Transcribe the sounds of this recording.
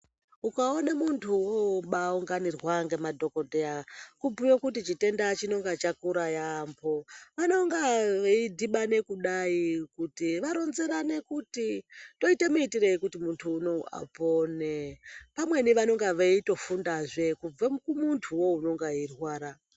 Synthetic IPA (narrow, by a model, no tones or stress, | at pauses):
ukaonamuntʰuwoɓauŋɡanirwaŋɡemadʱo̞ko̞deakubujokutit͡ʃite̞ndat͡ʃino̞ŋɡat͡ʃakuɾajambo̞ʋano̞ŋɡaʋeidʱiɓane̞kuɗaikutiʋaɾo̞nze̞ɾane̞kutito̞ite̞muitireikutimuntʰuːno̞a̰ponepamwe̞niʋano̞ŋɡaʋeito̞fundaʐe̞kub͡vakumuntʰuwo̞uno̞ŋɡairwaːɾa